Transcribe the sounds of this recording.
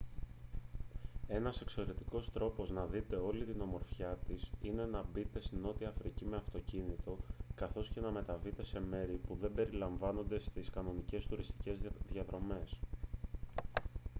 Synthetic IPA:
e̞nɐse̞kso̞ɾe̞t̪iko̞st̪ɾo̞po̞znɐðit̪e̞o̞lit̪ino̞mo̞ɾfçɐt̪isine̞nɐbit̪e̞st̪ino̞t̪iɐfɾicimeɐft̪o̞cinit̪o̞kɐθo̞sce̞nɐme̞t̪ɐvit̪e̞se̞me̞ɾipuðe̞mbe̞ɾilɐɱvɐno̞nd̪e̞st̪iskɐno̞nice̞st̪uɾist̪i̥ce̞zðjɐðɾo̞me̞s

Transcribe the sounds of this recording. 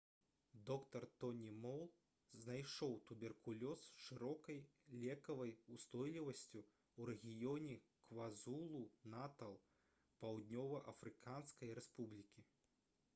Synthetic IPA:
d̪ɔkt̪ɐrt̪ɔnʲimɔwlˠ | znajʂɔwt̪ubʲɛrkulʲɔsʂɨɾɔkɐjlʲɛkɐvɐjust̪ɔjlʲivɐsʲt͡sʲu | wɾɛɣʲijɔnʲɛ | kvazulˠunat̪ɐlˠ | pawd̪nʲɔvɐʔɐfɾɨkʰanskɐjɾɛspublʲikʲi

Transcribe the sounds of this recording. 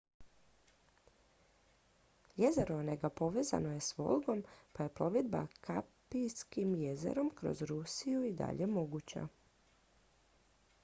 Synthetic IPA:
je̞ze̞ɾoneɡapo̞ʋe̞ːza̰no̞je̞sʋo̞̰lˠɡo̞mpaje̞plo̞ʋed̪ba̰kʰapijskimje̞ze̞̰ɾo̞mkɾo̞̰zɾusijuid̪a̰ʎe̞mo̞ɡut͡ɕa̰

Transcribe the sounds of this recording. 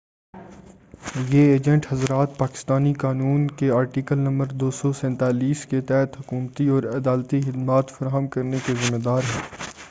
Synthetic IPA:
jeeːd͡ʒə̃ɳʈhɐzɾaːt̪̚paːkɪ̥st̪aːnikaːnuːnkeaːɾʈiːkəlnɐ̃mbəɾd̪oːsɔsɛ̃ːnt̪aːliːsket̪ɛɦt̪ɦʊkuːmt̪iɔːɾɐd̪aːlt̪ixɪd̪maːt̪fɐɾaːɦəmkɐɾnekezɪmːed̪aːɾɦɛː

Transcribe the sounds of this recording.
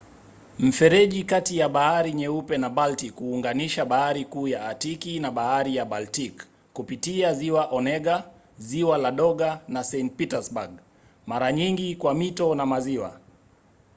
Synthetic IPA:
m̩fɛɾɛʄikatijaɓahaɾiɲɛupɛnabaltikuːŋɡaniʃaɓahaɾikuːjaːtikinaɓahaɾijaɓaltikː | upitiaziwaʔɔnɛɠa | ziwalaɗɔɠanasɛntpitɛsbaɡ | maɾaɲiŋɡikwamitɔnamaziwa̰

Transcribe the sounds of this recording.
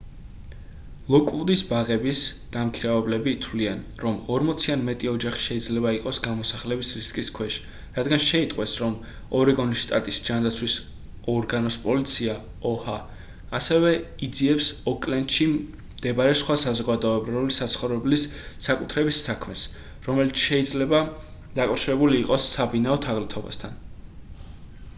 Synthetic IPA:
lˠɔkʼud̪isbaʁɛbisd̪̥amkʰiɾavɛblɛbiːt̪ʰwlianɾɔmɔɾmɔt̪sʰianmɛt̪ʼiɔd͡ʒaχi̥ʃɛid̪zlɛbaiqʼɔsɡamɔsaχlɛbisɾiskʼiskʰwɛʃ | ɾad̪ɡanʃɛit̪ʼqʼwɛsɾɔm | ɔɾiɡɔnisʃt̪ʼat̪ʼisd͡ʒand̪at̪sʰwis | ɔɾɡanɔspʼɔlit̪sʰia | ɔhaː | sɛvɛid̪ziɛpsɔkʼlɛnd̪ʃi | d̪̥ɛbaɾɛsχwasazɔɡad̪ɔɛbɾɛlisat̪sʰχɔvɾɛblissakʼut̪ʰɾɛbisːakʰmɛs | ɾɔmɛlit̪sʰʃɛid̪zlɛbad̪akʼafʃiɾɛbuliːqʼɔsːabinaɔt̪ʰaʁlit̪ʰɔba̰st̪ʰan

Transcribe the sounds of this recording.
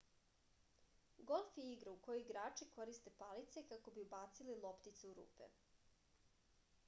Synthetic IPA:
ɡo̞lˠfjeiɡɾauko̞joiɡɾaːt͡ʂiko̞ɾist̪e̞palit̪se̞kako̞biubaːt̪sililˠopt̪it̪suuɾṵːpḛ

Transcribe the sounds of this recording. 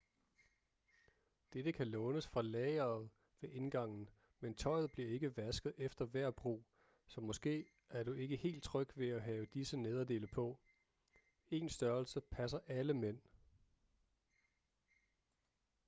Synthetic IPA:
d̥ed̥əkʰælɔ̽ːʊnəsfʁɑ̈lɛːɪɐːð̞̩ˠ | ʋe̝ʔe̝nɡ̥ɑ̈ŋ̰n̩ | ment͡sʰɒ̽ɪ̰ð̩ˠb̥liɐe̝ɡ̥əʋæsɡ̥ð̩ˠefd̥ɐʋæɐ̰b̥ʁṵː | sɒ̽mɒ̽sɡ̥e̝̰ː | æɐɾ̥ue̝ɡ̥əhe̝̰ːld̥̚t͡sʰʁœɡ̥ʋe̝æɦɛːʊəd̥isəne̝ð̞ˠɐde̝̰ːləpʰɒ̽ | e̝ːnsd̥ɶɐlsəpʰæsɐʔæləmen̰

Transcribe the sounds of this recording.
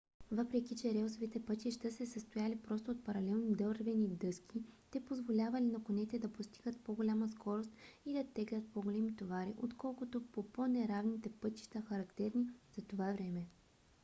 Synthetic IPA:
vɤpɾɛkit͡ʃɛɾɛlsovit̪ɛpɤt̪ʲiʃt̪əsɛsəst̪ojalipɾɔst̪oːt̪̚pɐɾɐlɛlˠnid̪ɤɾvɛnid̪ɤskʲit̪ɛpozvolʲavɐlinɐkonɛt̪ɛd̪ɐpost̪i̥ɡət̪poɡolʲaməskɔɾost̪̚id̪ɐt̪ːɛɡlʲɐt̪̚poɡolʲɛmit̪ovaɾiʔot̪kɔlˠkʊt̪opoponɛɾavnit̪ɛpɤt̪i̥ʃt̪əxɐɾɐkt̪ɛɾniz̥ɐt̪ovavɾɛmɛ

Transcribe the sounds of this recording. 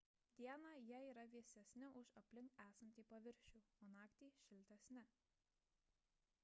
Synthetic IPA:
d̪ʲiɛnɑjæiːɾɐʋʲiɛsʲɛsʲnʲɪʔʊʃɐpʲlʲɪŋkæːsɐnʲt̪ʲiːpɐʋʲɪɾʲʃʲuːoːnɑːkt̪ʲiːʃʲɪlʲt̪ʲɛsʲnʲɪ

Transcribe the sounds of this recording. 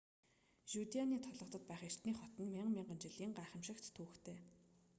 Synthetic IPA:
ʃut̪ianiːt̪ʰɔɮɞ̆χt̪ɞ̆t̪̚pæːχer̥t̪niːχɔt̪ɞ̆nmɪɴɢmʲɪɴɢə̆nt͡ɕɪɮiːŋɢaːχə̆mʃɪ̆kt̪ʰːuːxt̪ʰeː

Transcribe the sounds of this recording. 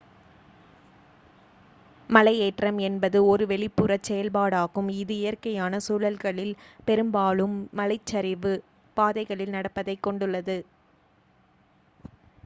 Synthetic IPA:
mɐlɐɪeːʈrɐmɛnbɐðɯɔɾɯʋɛɭɪpːɯrɐsɛjɐlbaːɽaːɣɯmɪðɯɪjɐrkɐjaːnɐsuːlɐlɣɐɭɪlpɛɾɯmbaːɭɯmːɐlɐɪt͡ʃːɐɾɪʋɯ | paːðɐɪɣɐɭɪlnɐɽɐpːɐðɐɪkːɔɳɖɯɭːɐðɯ

